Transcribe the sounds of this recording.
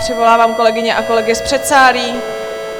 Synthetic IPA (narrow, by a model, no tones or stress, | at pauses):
r̥ɪvo̞laːvaːmko̞lɛɡɪɲɛʔako̞lɛɡɪspr̥ɛt̪saːɾiiː